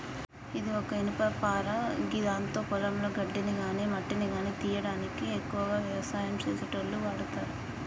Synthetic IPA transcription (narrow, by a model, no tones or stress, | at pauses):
id̪iokɐenupɐpaːɾɐɡid̪aːnt̪oːkɔlɐmlo̞ːɡɐɖːiniɡaːneːmɐʈːiniɡaːneːt̪iːjɐɽaːnikiekːuʋɐɡaːʋjɐʋɐsaːjɐmt͡ʃeːsuʈɐlːuʋaːɽut̪aːɾu